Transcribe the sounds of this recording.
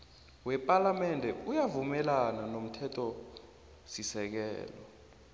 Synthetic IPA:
wɛpʼalamɛndʱɛujavumɛlananom̩tʰɛtʰʼɔ | sisɛk̬ɛ̰ːlɔ

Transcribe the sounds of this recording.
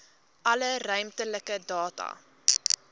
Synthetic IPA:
ʔɐlərœɥmtələkədɑːtɐ̰

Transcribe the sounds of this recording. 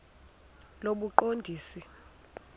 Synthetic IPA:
loɓuǃondʱiːsi

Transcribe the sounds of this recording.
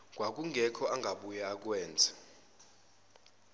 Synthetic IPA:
k̬ʼwak̬ʼuŋɡʱɛkʰɔʔaŋɡʱaɓujaːk̬wɛːnd͡zʱḁ

